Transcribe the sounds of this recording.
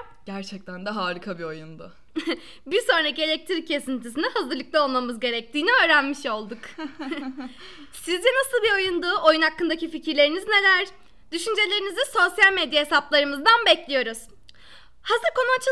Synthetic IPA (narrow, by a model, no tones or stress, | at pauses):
ɟ̥æɾt͡ʃʰɛc̚t̪ʰænd̪aɦaːɾɯkʰabio̞jund̪ʊ̰ | biɾso̞nɾacielʲɛc̚t̪ʰɾicʰːe̞sint̪ʰis̬inihazɯɾlˠɯk̚lˠao̞lˠmamɯzɟe̞ɾɛc̚t̪ʰiːniø̞ːɾænmiʃo̞lˠd̪uk | sizd͡ʒ̪ɛnasɯlˠbio̞jund̪uo̞junhakːɯnd̪acificʰiɾlʲe̞ɾinizne̞lʲæɾ | d̪̥yʃynd͡ʒe̞lʲe̞ɾiniziso̞sjalʲmed̪jaɦe̞saplˠaɾɯmɯzd̪anbɛclʲijo̞ɾuz̥ | hazɯɾko̞nuat͡ʃʰ